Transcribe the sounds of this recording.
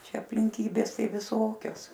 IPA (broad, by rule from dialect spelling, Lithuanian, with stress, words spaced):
ˈt͡ʃʲɛ ɐpʲlʲɪŋʲˈkʲiːbʲeːs ˈtɐɪ ʋʲɪˈsoːkʲoːs